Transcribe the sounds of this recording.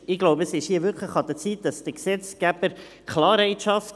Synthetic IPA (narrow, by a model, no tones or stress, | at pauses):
ɪɡ̥loʊbəəsɪʃhiːəvʏɾkχləχɑd̪ət͡siːt̚d̥ɑsd̥əksɛt͡sɡ̥æb̥əɾ | kʰlɑːɾɛɪtʃɑft